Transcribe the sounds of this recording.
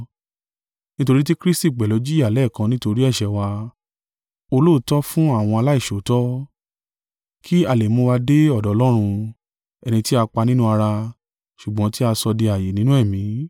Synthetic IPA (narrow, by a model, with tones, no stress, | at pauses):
nĩ˦to˧ɾi˦ti˦kɾi˦sti˦˨k͡pɛ˨lɔ˨˦d͡ʒi˦a˨lɛ˦˨kã˧nĩ˦to˧ɾi˦ɛ˦˨ʃɛ˨wa˧ | o˧lo˦˨˦tɔ˦fũ˦a˦˨w̃ɔ̃˧a˧la˦i˦˨ʃo˨˦tɔ˦ | kʰi˦a˦˨le˨mõ˧wa˧de˦ɔ˦˨dɔ˨˦lɔ˦ɾ̃ũ˧ | ɛ˧nĩ˧ti˦a˧k͡pa˧nĩ˦nũ˦a˧ɾa˧ | ʃu˨ɡ͡bɔ̃˨˦ti˦a˧sɔ˧di˧a˨je˨nĩ˦nũ˦ɛ˦˨mĩ˨˦